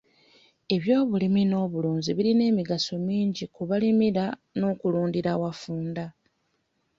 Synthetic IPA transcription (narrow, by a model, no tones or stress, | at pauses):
e̞βjo̞ːβulimino̞ːβuluːɲziβiline̞ːmiɡaso̞miːɲɟikuβalimiɾano̞ːkuluːndiɾawafuːnda